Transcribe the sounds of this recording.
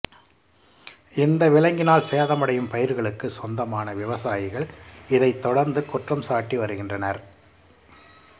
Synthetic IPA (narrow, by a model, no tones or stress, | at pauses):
ɪnd̪ɐʋɪlɐŋɡɪnaːlseːðɐmɐɽɐjɯmpɐjɪɾɣɐɭɯkːɯsɔnd̪ɐmaːnɐʋɪʋɐsaːjɪɣɐɭɪðɐɪt̪ːɔɽɐɾnd̪ɯkʊʈrɐmsaːʈːiʋɐɾɯɣɪndrɐnɐɾ